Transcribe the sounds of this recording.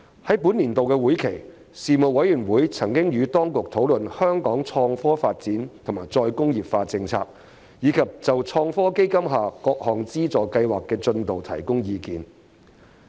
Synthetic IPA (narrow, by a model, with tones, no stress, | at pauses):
hɐ˨˥jpu˨˥nliː˨˩nt̪o˨wkɛː˧wuː˨˥jkʰe˨˩j | siː˨mo˨wwɐ˨˥jyː˨˩nwuː˨˥jt͡sʰɐ˨˩ŋkɪ˥ŋjyː˨˧t̪ɔː˥ŋkʊ˨k̚t̪ʰo˨˥wlɵ˨nhœː˥ŋkɔː˨˥ŋt͡ʃʰɔː˧ŋfɔː˥faː˧t̚t͡siː˨˥nt̪ʰʊ˨˩maː˨˩jt͡sɔː˧jkʊ˥ŋjiː˨pfaː˧t͡sɪ˧ŋt͡sʰa̰ː˧k̚ | jiː˨˧˥kʰɐ˨p̚t͡sɐ˨wt͡ʃʰɔː˧ŋfɔː˥ke˥jkɐ˥mɦaː˨kɔː˧k̚hɔː˨˩ŋt͡siː˥t͡sɔː˨˩kɐ˧jwaː˨˩kːɛː˧t͡sɵ˧nt̪o˨wt̪ʰɐ̰˨˩jkʊ˥ŋjiː˨˧kiː˨n